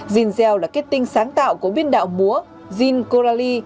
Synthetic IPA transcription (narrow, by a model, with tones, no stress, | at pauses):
zi˨˩nzɛ˧˩wlaː˨˩ka˦˥t̚t̪ï˧ŋ̟saː˨˦ŋt̪a̰ː˧˨wku˧˩əɓi˧ənɗa̰ː˧˨wmu˨˦ə | zi˧nko˧zaː˧li˧